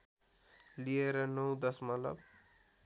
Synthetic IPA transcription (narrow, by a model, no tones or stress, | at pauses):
lieɾʌnʌwd̪ʌsmʌlʌ̰b